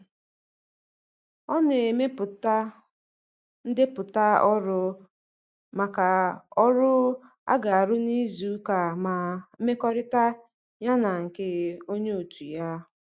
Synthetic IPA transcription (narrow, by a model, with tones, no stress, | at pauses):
ɔ˦ne˨me˦p | n̩˦dɪ˦pʊ˨ta˦ɔ˦ɾʊ˦ | ma˨ka˨ɔ˦ɾʊ˦ | a̰˦ɡa˨a˨ɾʊ˦ni˦zu˦ka˨ma˨˦me˦kɔ˦ɾɪ˦ta˦ | ɲa˦na˨ŋ̩˨ke˦o˦ɲe˦o˨tu˨ja˦